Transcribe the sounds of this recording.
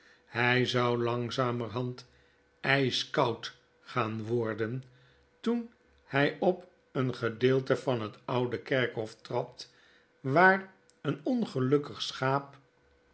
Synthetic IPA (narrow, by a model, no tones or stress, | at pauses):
hɛjzɑwlɑŋzaːmərɦɑnt | ɛjskɑwt | χaːnʋɔɹdən | tun | hɛjɔp | ənχədɪːlˠtəvɑnɦətɑwdəkɛɹkɦɔftrɑt | ʋaːr | ənɔnχəlɵkəχsχaːp̚